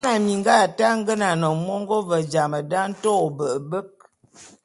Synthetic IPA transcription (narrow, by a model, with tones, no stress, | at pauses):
na˨mi˨ŋ˦ɡa˦˨ta˦ŋ̩˦ɡə˦na˨nə˨mɔ˦ŋɡɔ˦və˨d͡ʒa˨mə˨da˦n̩˦tɔ˦˨bə˨ə˨bə˦k̚